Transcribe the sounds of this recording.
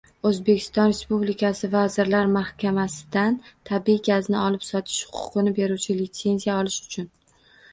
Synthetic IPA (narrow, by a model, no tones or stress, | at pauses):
ɵzbe̞kʲʰɪ̥st̪ɒnɾe̞spublɪkʲʰasɪvazɪɾlaɾmahkʲʰamasɪ̥d̪ant̪ʰabiɡʲaznɪɒlɪpsɒt̪ʰɪ̥ʃhʊ̥qʰʊ̥qʰɨnɪbe̞ɾuwt͡ʃʰɪlɪt̪se̞nzijaɒlɪʃʊ̥t͡ʃʰʊn